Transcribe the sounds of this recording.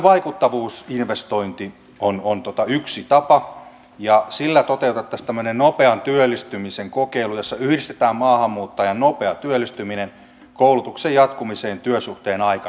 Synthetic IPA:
ʋɑikut̪ːɑʋuːsinʋest̪oint̪i | onont̪ot̪ɑyksit̪ɑpɑ | jɑsilːæt̪ot̪eut̪ɑt̪ːɑst̪æmːønennopeɑnt̪yølːist̪ymiseŋkokeilujosːɑyhdist̪e̥t̪æːmmɑːhɑmːuːt̪ːɑjɑnnopeɑt̪yølːist̪yminen | koulut̪uksejɑt̪kumiseːnt̪yøsuht̪eːnɑikɑ

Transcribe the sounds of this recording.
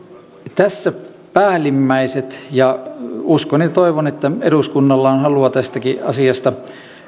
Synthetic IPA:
t̪æsːæ | pæːlimːæiset̪jɑuskonit̪oiʋonet̪ːæeɾuskunːɑlːɑːnhɑluɑt̪æst̪ækiɑ̰siɑst̪ɑ

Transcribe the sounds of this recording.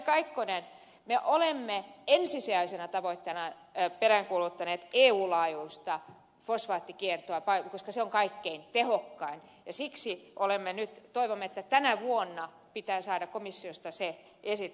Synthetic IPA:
kɑikːonen | meʔolemːeensisiæisenæt̪ɑʋoit̪ːenɑ | peræŋkuːlut̪ːɑneːt̪eːuːlɑːjuist̪ɑ | fosʋɑːt̪ːikiert̪oɑpɑikoskɑseoŋkɑikːeint̪ehokːɑinjɑsiksiʔolemːenyt̪t̪oiʋomːet̪ːæt̪ænæʋuonːɑ | pit̪æːsɑːdɑkkomisːiost̪ɑse | esit̪

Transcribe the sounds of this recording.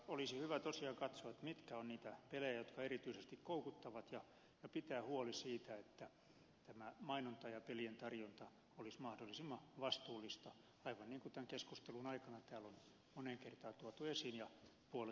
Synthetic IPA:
olisihyʋæt̪osiɑkɑt̪soɑet̪mit̪kæonniːt̪æpelejæjot̪kɑerit̪yisest̪ikkoukut̪ːɑʋɑt̪jɑ | jɑpit̪æːhuolisiːt̪æet̪ːæ | t̪æmæmɑinont̪ɑjɑpelient̪ɑrjont̪ɑ | olismɑhdolːˑisimːɑʋɑst̪uːlːist̪ɑ | ɑiʋɑnniːŋkut̪æŋkeskust̪elunɑikɑnɑt̪æːlon | moneŋkert̪ɑːt̪uot̪uesinjɑpuol

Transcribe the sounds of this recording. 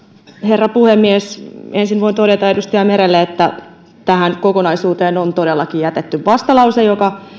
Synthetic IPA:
herːɑpuhemːiesensinʋoint̪odet̪ɑedust̪iɑmeɾelːeet̪ːæ̰ | t̪æhænkokonɑisuːt̪eːnont̪odelːɑkijjæt̪et̪ːyʋʋɑst̪ɑlɑusejokɑ

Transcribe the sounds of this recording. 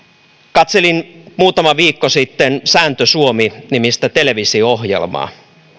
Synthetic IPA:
kɑt̪selinmuːt̪ɑmɑʋiːkːosit̪ːensæːnt̪øsuominimist̪æt̪eleʋisioɦjḛlmɑ̰ː

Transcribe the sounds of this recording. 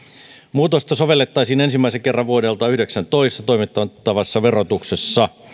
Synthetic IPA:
muːt̪ost̪ɑsoʋe̞lːet̪ːɑjsiːnensimːæiseŋke̞rːɑʋʋuodelt̪ɑyhdeksænt̪oist̪ɑt̪o̞jmit̪ːɑt̪ːɑʋɑsːɑʋerot̪uksesːɑ

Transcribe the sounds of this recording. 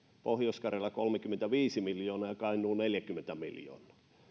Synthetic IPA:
pohjoskɑrelːɑkolmekymːent̪æʋiːsimiljoːnɑjɑkɑinˑuːneljækymːˑent̪æmḭljo̰ːnˑɑ̥ː

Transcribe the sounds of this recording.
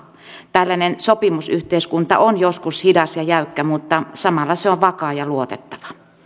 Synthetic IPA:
t̪ælːænensopimusyht̪eiskunt̪ɑ̰ʔonjoskushidɑsjɑjæykːæmut̪ːɑsɑmɑlːɑseoʋʋɑkɑːjɑluot̪et̪ːɑ̥ʋɑ̥

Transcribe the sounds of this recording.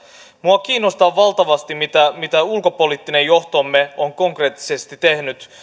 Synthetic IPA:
muɑk̟iːnːost̪ɑʋːɑlt̪ɑʋɑst̪imit̪æmit̪æulko̞po̞lit̪ːine̞jo̞ht̪omːeoŋko̞ŋkre̞ːt̪ːi̥sest̪it̪e̞hnyt̪

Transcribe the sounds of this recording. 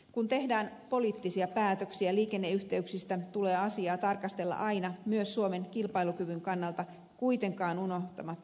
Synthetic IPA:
kunt̪e̞hdæːnpo̞liːt̪ːisiɑpæːt̪øksiæliːke̞nːeyht̪e̞yksist̪æt̪uleːɑsiɑːt̪ɑrkɑst̪e̞lːɑ̰ʔɑinɑmyøsːuome̞ŋkilpɑijlukyʋyŋkɑnːɑlt̪ɑ | kuit̪e̞ŋkɑːnuno̞ht̪ɑmɑt̪ː

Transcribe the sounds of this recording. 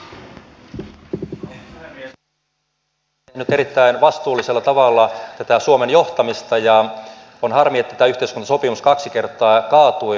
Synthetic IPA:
nyt̪eɾit̪ːæinʋɑst̪uːlːiselːɑt̪ɑʋɑlːɑt̪æt̪æsuomenjoht̪ɑmist̪ɑjɑ | onhɑrmiet̪ːæt̪æyht̪eiskunɑsopimuskɑksikert̪ːˑɑːkɑːt̪ui

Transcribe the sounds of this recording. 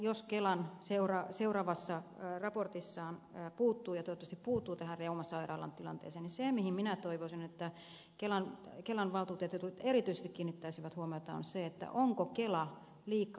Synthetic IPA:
joskelɑnseurɑseurɑːʋɑsːɑrɑport̪isːɑːnːpuːt̪ːuːjɑt̪oˑot̪ːɑst̪ipuːt̪ːuːt̪æhærreumɑsɑirɑ̰ːlɑ̰nt̪ilɑnt̪ḛːseːnisemihimminæt̪oiʋosinet̪ːæ | kelɑnkelɑnʋɑlt̪uːt̪et̪jɑt̪ult̪eɾit̪yise̥st̪ikiːnːit̪ːæisiʋæt̪huomiot̪ɑo̰nseet̪ːæ̰ʔoŋkokelɑ | liːkːˑɑ

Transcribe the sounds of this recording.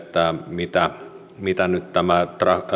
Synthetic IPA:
t̪ːæmit̪æ | mit̪ænyt̪t̪æmæt̪rɑ

